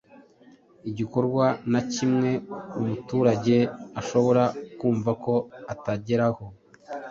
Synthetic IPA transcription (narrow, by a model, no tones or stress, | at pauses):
iɟiko̞ɾɡwanacimŋe̞umutuːɾaɟe̞aʃo̞βo̞ɾakuːɱvako̞ataɟe̞ɾaho̞